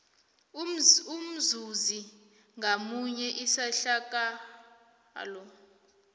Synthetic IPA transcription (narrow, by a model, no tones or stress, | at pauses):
um̩zuzi | ŋɡamuɲɛʔisaɬak̬ʼa | lɔ